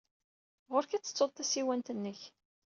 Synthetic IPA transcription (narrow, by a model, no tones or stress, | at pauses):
ʁʊɾkæt͡sːə̥t͡sːoðˤθæsiwænt̪ənːəç